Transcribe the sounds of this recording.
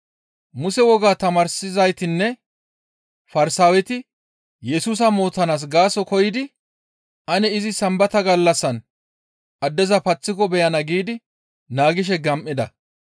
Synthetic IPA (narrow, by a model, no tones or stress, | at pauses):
mʊsɛwɔɡaːt̪ɐmɐɾsɪzɐjt̪ɪnːɛ | fɐɾɪsaːwɛt̪ɪ | jɛsuːs̬ɐmo̞ːt̪ːɐnaːs̬ɡaːsɔkɔjɪd̪ɪ | ɐnɛɪzɪsɐmbɐt̪ɐɡɐlːɐsːɐn | ʔɐd̪ːɛzɐpɐt͡sːɪkɔbɛjɐnɐɡiːd̪ɪ | naːɡɪʃ̬ɛɡɐmʔːɪd̪ɐ